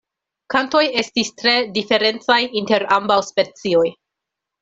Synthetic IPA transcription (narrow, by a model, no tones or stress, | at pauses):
kanto̞je̞stistɾe̞dife̞ɾe̞nt͡sajinte̞ɾambawspe̞t͡sio̞j